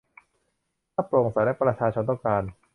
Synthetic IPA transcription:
t̪ʰaː˥˩pɾo˨˩ŋsaː˨˩˦jlɛ˦˥pɾa˧t͡ɕʰaː˧t͡ɕʰo˧nt̪ɔ˥˩kaː˧n

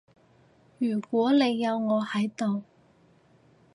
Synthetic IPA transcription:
jyː˨˩kʷɔː˨˥le˨˧jːɐ˨˧wŋɔː˨˧hɐ˨˥jt̪o˨w

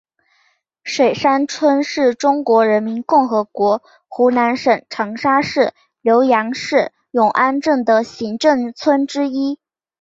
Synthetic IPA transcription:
ʂwe˨˩ɪʂa˥nt͡sʰwə˥nʂɻ̩˥˩ʈ͡ʂʊ˥ŋkwɔ˧˥ɻə˧˥nmi˧˥nkʊ˥˩ŋxɤ˧˥kwɔ˧˥ | xu˧˥na˧˥nʂə˨˩ŋʈ͡ʂʰɤ˧˥ŋʂa˥ʂɻ̩˥˩ | ljo˧˥ʊjɑ˧˥ŋʂɻ̩˥˩ | jʊ˨˩ŋʔa˥nʈ͡ʂɤ˥˩ŋd̪ə˩ɕi˧˥ŋʈ͡ʂɤ˥˩ŋt͡sʰwə˥nʈ͡ʂɻ̩˥i˥

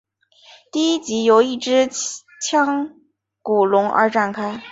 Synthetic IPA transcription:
t̪i˥˩i˥t͡ɕi˧˥jo˧˥ʊi˥˩ʈ͡ʂɻ̩˥ | t͡ɕʰjɑ˥ŋ | ku˨˩lʊ˧˥ŋə̰˞˧˥ʈ͡ʂa˥˩nkʰa˥ɪ

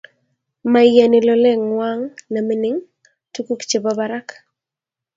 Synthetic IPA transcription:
ma˨ja˨nɪ˨lɔ˨le˦ŋwa˦ŋna˨mɪ˦nɪ˦ŋ | tu˦ku˦kt͡ʃe˨babaɾa˦k

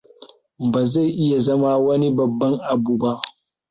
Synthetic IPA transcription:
baː˨za˦˨jʔɪ˦ja˨zɐ˦ma˦wɐ˦ni˦bɐ˨bːɐ˦ŋʔa˨buː˦ba˦ʔ

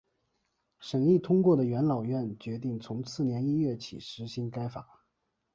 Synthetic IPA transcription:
ʂə˨˩ŋli˥˩t̪ʰʊ˥ŋkwɔ˥˩d̪ə˩ɥɛ˧˥nlɑ˨˩ʊɥɛ˥˩nt͡ɕɥɛ˧˥t̪i˥˩ŋt͡sʰʊ˧˥ŋt͡sʰɹ̩˥˩njɛ˧˥ni˥ɥɛ˥˩t͡ɕʰḭ˨˩ʂɻ̩˧˥ɕi˧˥ŋka˥ɪfa̰˨˩˦

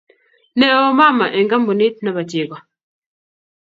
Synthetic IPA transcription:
nɛ˦ɔ˦ma˦ma˨ʔɛ˨ŋɡa˦m̩˦bo˨ni˦t̚na˨ba˨tje˨ɡɔ˨

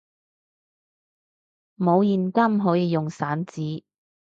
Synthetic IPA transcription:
mo˨˧wjiː˨nkɐ˥mɦo˨˥jiː˧jʊ˨ŋsaː˨˥nt͡siː˨˥

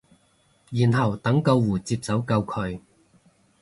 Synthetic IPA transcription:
jiː˨˩nɦɐ˨˩wt̪ɐ˨˥ŋkɐ˧wːuː˨˩t͡siː˧p̚t͡sɐ˨˥wkɐ˧wkʰɵ˧ɥ

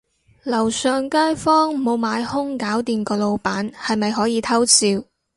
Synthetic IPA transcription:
lɐ˨˩wsœː˨ŋkaː˥jfɔː˥ŋ˨mo˨˧wmaː˨˧jhʊ˥ŋkaː˨˥wt̪iː˨˧nkɔː˧lo˨˧wpaː˨˥nhɐ˨jmɐ˨jɦɔː˨˥jiː˨˧t̪ʰɐ˥wt͡siː˧w

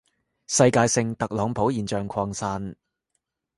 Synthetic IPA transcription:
sɐ˧jkaː˧jsɪ˧ŋt̪ɐ˨k̚lɔː˨˧ŋpʰo˨˥wjiː˨˩nt͡ʃœː˨ŋkʷʰɔː˧ŋsaː˧n

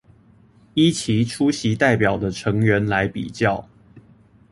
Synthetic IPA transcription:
i˦t͡ɕʰi˨˦ʈ͡ʂʰu˦ɕi˨˦t̪a˥˩ɪpjɑ˨˩ʊd̪ə˦ʈ͡ʂʰɤ˨˧˦ŋɥɛ˨˦nla˧˦ɪpḭ˨˩t͡ɕjɑ˥˨ʊ

